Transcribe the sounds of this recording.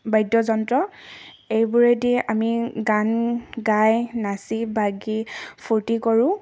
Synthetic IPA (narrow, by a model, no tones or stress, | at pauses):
bajdɔzɔntɹɔ | ejbʊɹediamiɡanɡajnasibaɡipʰuɹtikɔɹʊ̃